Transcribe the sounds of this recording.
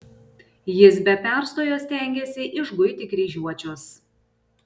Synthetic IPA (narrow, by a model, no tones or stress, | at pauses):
jɪs̬bʲɛpʲæˑɾst̪oːjoːsʲt̪ʲɛˑŋʲɡʲɛsʲɪʔɪʒɡʊɪt̪ʲɪkɾʲiːʒʲuɔt͡ʃʲʊs